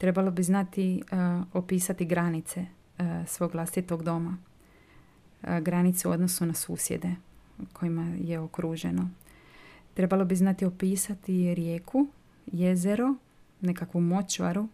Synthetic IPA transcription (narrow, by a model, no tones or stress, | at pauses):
t̪ɾe̞balobiznat̪iopiːsat̪iɡɾanit̪se̞ | sʋo̞ːɡlˠast̪it̪o̞ɡd̪o̞ma | ɡɾanit̪seṵo̞d̪no̞sunasuːsjḛd̪e̞ | kʰo̞jimaje̞okɾuːʒe̞̰no̞ | t̪ɾe̞balo̞biznat̪io̞piːsat̪iɾjeːkʰu | je̞zeɾu | ne̞kakʋumo̞t͡ʃʋa̰ɾu